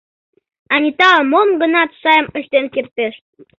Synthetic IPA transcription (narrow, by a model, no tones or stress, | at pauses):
ɑnʲit̪ɑlmomɡənɑt̪ʃɑjəməʃt̪enkert̪eʃt̪̚